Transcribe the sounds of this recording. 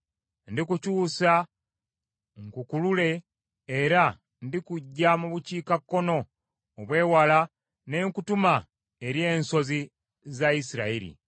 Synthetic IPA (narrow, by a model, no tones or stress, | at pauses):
ndikucuːsa | ŋkukulule̞ː | ɾa | ndikuɟːamuβuciːkakːo̞no̞ː | βwe̞ːwala | ne̞ŋkutuma | eɾie̞ːnso̞zi | zaisiɾaiɾḭ